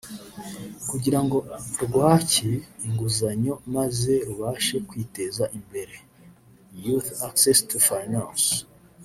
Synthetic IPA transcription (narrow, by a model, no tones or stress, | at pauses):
kuɟiɾaŋɡo̞ɾɡwaːciːŋɡuzaɲo̞maze̞ɾuβaːʃe̞kwiːte̞zaʔimbe̞ɾe̞ | juθaksestufajnãns